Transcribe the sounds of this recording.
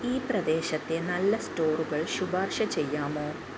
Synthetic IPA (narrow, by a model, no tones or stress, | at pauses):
iːprɐd̪e̞ːɕɐt̪ːe̞nɐlːɐsto̞ːruɣɐɭɕubaːrʂɐt͡ɕe̞jːaːmoː